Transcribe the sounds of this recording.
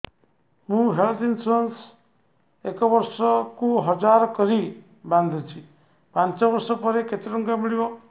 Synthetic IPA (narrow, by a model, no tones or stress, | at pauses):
ɦũɦelt̪ʰinsuɾens | ekɔbɔɾsɔkuɦɔd͡ʒaɾɔkɔɾi | band̪ʱut͡ʃʰi | pant͡ʃɔbɔɾsɔpɔɾeket̪iɾɔŋɡamiɭibɔ